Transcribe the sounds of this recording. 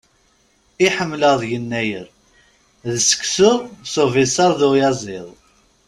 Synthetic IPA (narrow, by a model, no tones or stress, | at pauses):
iħəmːləðˤjənːæjə̰ɾ | ðəsə̥ksʊðsovisɑɾˤðujɑzˤɪðˤ